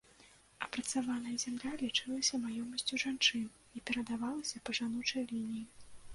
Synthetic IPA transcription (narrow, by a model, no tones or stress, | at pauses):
ɐpɾɐt̪savanɐjɐzʲamlʲalʲit͡ʂɨlˠɐsʲɐmajɔmɐsʲt͡sʲuʐant͡ʂɨn | ipʲɛɾɐd̪avalˠɐsʲɐpɐʐanut͡ʂɐjlʲinʲiji